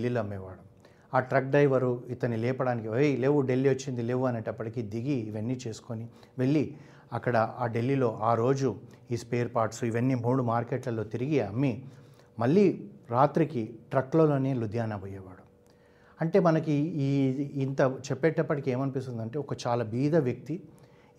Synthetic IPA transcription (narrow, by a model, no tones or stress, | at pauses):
lːiloɐmːɛːʋaːɽu | aːʈɾɐk̚ɖɐjʋɐɾuit̪ɐnilɛːpɐɽaːnikiojle̞ːʋuɖe̞lːiʋot͡ʃːind̪ileːʋuɐneːʈɐpːɐʈikid̪iɡiːʋɐnːit͡ʃe̞ːsu̥koni | ʋe̞ɭːi | ɐkːɐɽɐaːɖe̞lːilo̞ːʔaːɾo̞ːd͡ʒu | iːspeːɐɾpaːɾʈsuiʋɐnːimuːɽumaːɾkeːʈlɐlo̞ːt̪iɾiɡiɐmːi | mɐɭːiːɾaːt̪ɾikiʈɾɐkːloːlo̞ːne̞ːlud̪ʱjaːnɐboːjɛːʋaːɽu | ɐɳʈe̞ːmɐnɐkiː | nt̪ɐt͡ʃɛpːɛːʈɐpːɐʈikie̞ːmɐnipist̪und̪ɐɳʈe̞ːɔkɐt͡ʃaːlaːbiːd̪ʱɐʋjɐk̚t̪i